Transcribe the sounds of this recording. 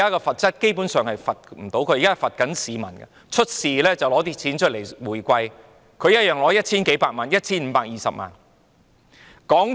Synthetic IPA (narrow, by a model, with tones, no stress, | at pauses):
aː˥kɛː˧fɐ˨t̚t͡sɐ˥t̚ke˥jpuː˨˥nsœː˨ŋhɐ˨jfɐ˨t̚m̩˨˩t̪o˨˥wkʰɵ˧iː˨kaː˥˨˩fɐ˨t̚kɐ˨˥nsiː˨mɐ̰˨˩nɡɐ̰˧ | t͡ʃʰɵ˥t̚siː˨lɛː˥t͡sɐ˨wlɔː˨˥t̪iː˥t͡sʰiː˨˥nt͡ʃʰɵ˥t̚le˨˩jwuː˨˩jkʷɐ˧j | kʰɵ˨˧ɥjɐ˥t̚jœː˨ŋlɔː˨˥jɐ˥t̚t͡sʰiː˥nke˨˧˥jpaː˧k̚maː˨˩njɐ˥t̚t͡sʰiː˥nm̩˧paː˧k̚jiː˨sɐ̰˨p̚ma̰ː˨n | kɔː˨˥ŋ